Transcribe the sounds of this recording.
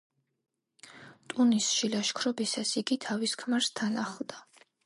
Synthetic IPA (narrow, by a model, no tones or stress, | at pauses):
t̪ʼunisʃilaʃkʰɾɔbisasiɡit̪ʰaviskʰmaɾst̪ʰanaχlˠd̪a